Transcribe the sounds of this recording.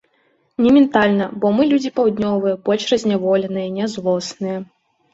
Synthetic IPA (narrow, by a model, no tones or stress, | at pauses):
nʲɛmʲɛnt̪alʲnɐbɔmɨlʲud͡zʲipɐwd̪ʲnʲɔvɨjɐpɔt͡ʃrɐzʲnʲavɔlʲɛnɨjɐnʲɛzlˠɔsnɨjɐ